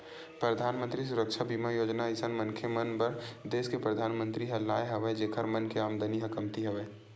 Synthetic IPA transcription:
pɾəd̪ʱaːnmə̃nt̪ɾis̬ʊɾəkʃʰabiːmajoːd͡ʒnaɪsənmɐ̃nkʰemɐnbɐɾd̪eːskepɾɐd̪ʱaːnmə̃nt̪ɾiɦɐlːaːeɦɐʋed͡ʒeːkʰəɾmɐnkeaːmd̪ʱəniɦɐkəmt̪iɦɐʋeː

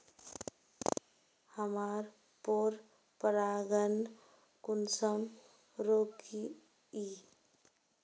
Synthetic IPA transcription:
həmaɾ | poɾ | pəɾaɡən | kunsəm | ɾoki | i

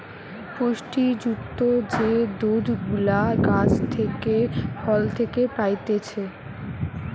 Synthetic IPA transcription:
poʃʈid͡ʑukt̪od͡ʑed̪od̪ʱɡulaɡad͡ʑt̪ʰekefʰɔlt̪ʰekepajt̪et͡ɕʰe

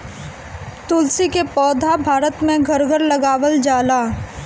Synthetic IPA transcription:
t̪ʊlsikepɔːd̪ʱabʱaːɾət̪mẽɡʱɐɾɡʱəɾlɐɡaːwəld͡ʒaːlaː

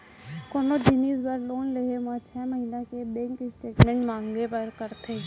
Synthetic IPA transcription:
koːnoɖɪniːzbəɾloːnleɦemãt͡ʃʰɛːməɦiːnakebɛ̃ːŋkɪsʈeːʈmɛ̃ɳʈmãːŋɡepəɾkəɾt̪ʰe

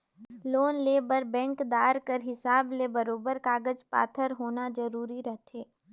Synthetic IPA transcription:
loːnleːbəɾbɛ̃ːŋkd̪aːɾkəɾɦɪsaːblebɐɾoːbəɾkaːɡəd͡ʒpa̰ːt̪ʰəɾɦoːnazɐɾuːɾiɾɐɦt̪ʰeː

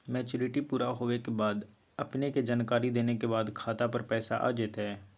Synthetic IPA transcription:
mɛːt͡ʃʊːɾɪʈipuːɾaɦoːʋekebaːd̪ | ɐpneked͡ʒaːnkaːɾid̪eːnekebaːd̪kʰaːt̪apɐɾpɛːsaʔa̰ːd͡ʒɪt̪ɦɛː

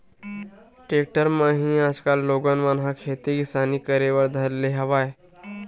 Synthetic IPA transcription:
ʈɾek̚ʈəɾmaɦĩad͡zkalːoɡənʋanɦakʰet̪iɡisaniːkəɾeʋəɾd̪ʱəɾleɦəʋaj

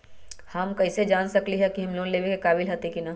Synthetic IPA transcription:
hɐmkɐɪsed͡ʒaːnsɐkliɦɛkiɦɐmloːnleːʋekekaːbɪlɦɐt̪ekina

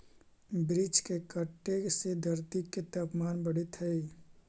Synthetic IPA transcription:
bɾɪt͡ʃkekəʈːesed̪ʱɐɾt̪ikːet̪ɐpmaːnbɐɽit̪ʰɐi

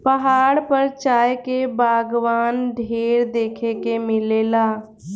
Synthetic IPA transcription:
pɐɦaːɽpəɾt͡ʃaːjkebaːɡʋaːnɖʱeːɾd̪eːkʰekemɪleːlaː

